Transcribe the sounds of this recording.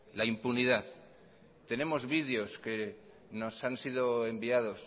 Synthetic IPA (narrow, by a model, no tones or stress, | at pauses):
laimpuniðaθ | t̪e̞ne̞mo̞zβið̞eo̞ske̞ | no̞sansið̞oembiað̞o̞s